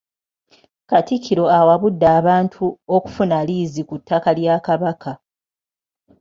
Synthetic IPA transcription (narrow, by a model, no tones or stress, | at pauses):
katikːiɾo̞awaβudːaːβaːntʰuoku̥funaliːzikutʰːakaljakaβakʰa